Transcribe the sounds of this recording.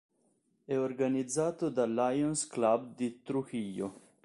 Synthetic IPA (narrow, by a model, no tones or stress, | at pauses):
ɛoɾɡanid̪zaːt̪od̪alajonsklab̚d̪it̪ɾuxijo